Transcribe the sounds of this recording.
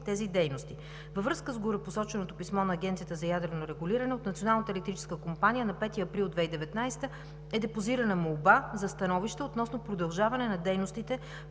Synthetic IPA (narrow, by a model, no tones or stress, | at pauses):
t̪ɛzid̪ɛjnost̪i | vəvɾɤskəzɡoɾɛposɔt͡ʃɛnot̪opismɔnɐːɡ̟ɛnt̪sijət̪əzɐjad̪ɾɛnoɾɛɡuliɾɐnɛot̪nɐt̪sionalˠnət̪əɛlɛkt̪ɾit͡ʃɛ̥skəkompanijənɐpɛt̪iɐpɾilˠd̪vɛid̪ɛvɛt̪najst̪ə | ɛd̪ɛpoziɾənəmolˠbazɐst̪ɐnɔviʃt̪əot̪nɔsnopɾod̪ɐlˠʒavɐnɛnɐd̪ɛjnost̪it̪ɛ